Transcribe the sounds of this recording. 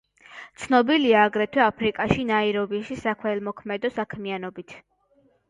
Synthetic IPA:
t̪sʰnɔbiliaːɡɾɛt̪ʰwɛapʰɾikʼaʃinaiɾɔviʃisakʰwɛlˠmɔkʰmɛd̪ɔsakʰmianɔbit̪ʰ

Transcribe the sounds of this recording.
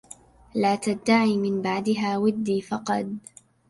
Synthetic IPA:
laːt̪ad̪ːaʕiːmɪnbaʕd̪ɪɦaːwɪd̪ːiːfɑqɑd̪̚

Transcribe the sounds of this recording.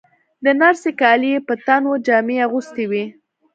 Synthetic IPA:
d̪ənaɾsekɑlijepət̪anod͡ʒɑmeaɣust̪iwi

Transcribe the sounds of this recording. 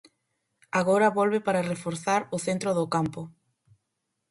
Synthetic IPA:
aɣoɾɐβolβepaɾarefoɾθaɾʊθent̪ɾʊðʊkampʊ

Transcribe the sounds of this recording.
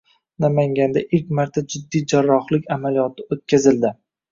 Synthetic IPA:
namaŋʲand̪aʔɪkʲmaɾt̪ʰad͡ʒɪd̪ːid͡ʒaɾːɒχlɪkʲamalijɒt̪ʰɪot̪̚kʲʰazɪld̪ɪ

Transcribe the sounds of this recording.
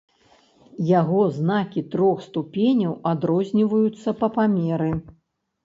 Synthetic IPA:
jaɣɔznakʲit̪ɾɔxst̪upʲenʲɐwad̪ɾɔzʲnʲivɐjut̪sːɐpɐpamʲɛɾɨ

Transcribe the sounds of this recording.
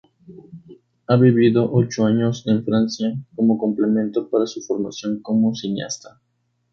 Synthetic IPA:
aβiβiðoʔot͡ʃoaɲoseɱfɾansjakomokomplemẽnt̪opaɾasufoɾma̰sjoŋkomosinja̰st̪ḁ

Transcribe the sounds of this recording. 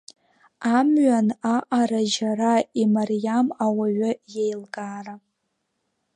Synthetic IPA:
amɥanaʔaɾaʒaraimarjamawaɥajejlɡaːra

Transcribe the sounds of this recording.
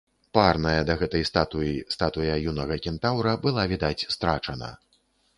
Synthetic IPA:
parnɐjɐd̪ɐɣɛt̪ɐjst̪at̪ujist̪at̪ujɐjunɐɣɐkʲint̪awɾɐbɨlˠavʲid̪at͡sʲst̪ɾat͡ʂɐnɐ̰

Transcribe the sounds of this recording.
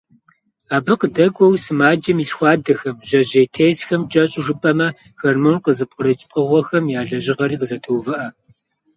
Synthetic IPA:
aːbɨqədɐɡʷʼɔwsɨmaːd͡ʒɐmiɬxʷɑːdɐxɐmʒɐʑejtʰeːsxɐmt͡ʃʼɐɕʼʐɨpʼɐmɐ | xɐrmonqəzɨp̚qʼəɾɐt͡ʃʼpʼəʁʷɔxɐmjaːɮɐʑɪʁɐɾiːqəzɐtʰoːvɨʔɐ

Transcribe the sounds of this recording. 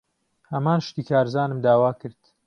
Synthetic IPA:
hɐmaːnʃt̪iːkʰaːɾzaːnɨmd̪aːwaːkɨɾd̪̥

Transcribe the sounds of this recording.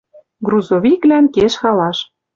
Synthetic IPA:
ɡruzoβiklænkeʃxɑlɑʃ

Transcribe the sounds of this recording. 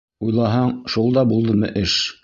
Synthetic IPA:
ujlˠɑɦɑɴʃulˠd̪ɑbulˠd̪ɤmɤ̰ʔɘʃ

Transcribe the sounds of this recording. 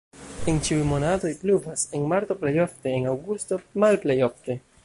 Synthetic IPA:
ent͡ʃiujmo̞nato̞jpluvase̞nmaɾt̪o̞plejo̞fte̞ːnawɡusto̞malplejo̞fte̞

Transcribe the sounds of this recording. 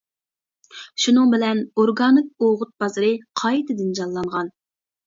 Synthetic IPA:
ʃunɨŋbɪlɛnoɾɡɑnɨk̚oʁʊt̪̚bɑzɨɾɨqʰɑjt̪ɪd̪ɪnd͡ʒɑllˠɑɴʁɑn

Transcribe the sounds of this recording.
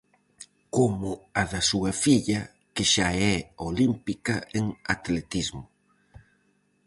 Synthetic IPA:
komʊaðasuɣafiʎɐ | keʃaɛolimpikɐeŋa̰t̪let̪izmʊ

